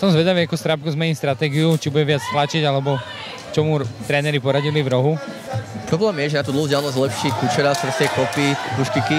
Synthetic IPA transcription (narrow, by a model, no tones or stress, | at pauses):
sɔmzʋɛd̪aʋiakust̪ɾap̚kuzmɛɲist̪ɾat̪ɛːɡiut͡ʃibuɟɛʋɪat͡st̪lat͡ʃiɟalɛbɔ | t͡ʃɔmut̪ɾɛːnɛɾipɔɾaɟilivɾɔɦu | pɾɔblɛːmjɛʒɛnat̪ud̪l̩ˠɦuzd͡ʑɪalnɔzlɛpʃikut͡ʃɛɾasɾsɛkɔpikuʃkiki